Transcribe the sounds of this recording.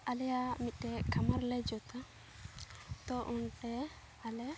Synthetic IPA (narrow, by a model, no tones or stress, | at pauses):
alɛjamit̪̚ˀʈɛkʰamaɾlɛd͡ʒɔt̪a | t̪ɔʔunʈɛ | alɛ